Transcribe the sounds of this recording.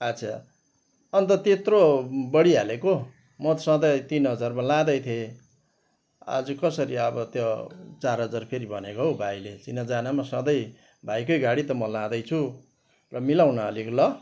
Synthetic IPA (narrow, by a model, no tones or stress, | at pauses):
ʌt͡sʰa̰ | ʌnt̪ʌt̪et̪robʌɽialeko | mʌt̪sʌ̃d̪ʌjt̪inɦʌd͡zarmalãd̪ʌjt̪ʰje | a̰d͡zʌkʌsʌɾiʌbʌt̪jot͡sarɦʌd͡zarpʰeɾibʱʌnekoɦobʱajlet͡sinʌd͡zanamasʌ̃d̪ʌj | bʱajkʌjɡaɽit̪ʌmʌlãd̪ʌjt͡sʰu | rʌmilawnʌʌlikolʌ